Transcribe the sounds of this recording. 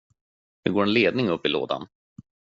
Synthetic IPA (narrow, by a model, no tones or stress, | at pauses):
nɵ̰ɡoːɾɛnleːd̪nɪŋɵpːɪlo̰ːd̪a̰n